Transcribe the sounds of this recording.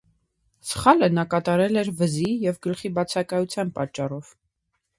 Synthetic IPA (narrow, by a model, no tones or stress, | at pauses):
sə̥χɑlənɑkɑt̪ɑɾɛlɛɾvəzijɛvɡəlχibɑt͡sʰɑkɑjut͡sʰjɑnpɑt͡ʃːɑrɔv